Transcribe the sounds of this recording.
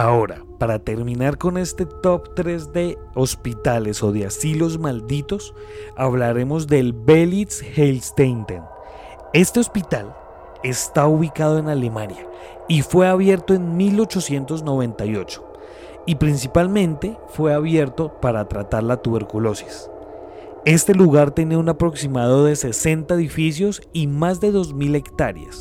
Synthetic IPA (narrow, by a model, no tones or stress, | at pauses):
ao̞ɾa̰ | paɾat̪e̞ɾmĩnaɾko̞ne̞st̪e̞t̪opt̪ɾe̞zd̪e̞ | ospit̪ale̞so̞ðe̞asilo̞zmald̪it̪o̞s | aβlaɾe̞mo̞zd̪e̞lbelit̪shelst̪ent̪ḛn | e̞st̪e̞o̞spit̪al | e̞st̪auβikað̞o̞e̞nalemanja | ifwe̞aβje̞ɾt̪o̞e̞nmilo̞t͡ʃo̞sje̞nt̪o̞zno̞β̞ẽ̞nt̪ajo̞̰t͡ʃo̥ | ipɾinsipalmẽ̞nt̪e̞fwe̞aβje̞ɾt̪o̞paɾat̪ɾat̪aɾlat̪uβe̞ɾkulo̞si̥s | e̞st̪e̞luɣaɾt̪jene̞unapɾo̞ksimað̞o̞ðe̞se̞se̞nt̪aeðifis̬jo̞s | imazd̪e̞ðo̞zmile̞kt̪aɾja̰s